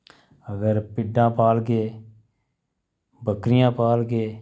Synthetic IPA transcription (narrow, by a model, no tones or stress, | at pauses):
əɡəɾpɪɖãːpaːlɡeː | bəkɾɪjãːpaːlɡeː